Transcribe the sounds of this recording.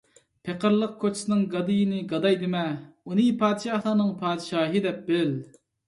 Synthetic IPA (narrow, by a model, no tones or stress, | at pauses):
pʰeqəɾlˠəq̚kʰot͡ʃʰɪ̥sɪnɨŋɡɑd̪ɨjɪnɪɡɑd̪ɑjd̪ɪmɛunɨpʰɑːd̪ɨʃɑhlˠɑːnɨŋpʰɑːd̪ɨʃɑːɦɨd̪ɛp̚bɪl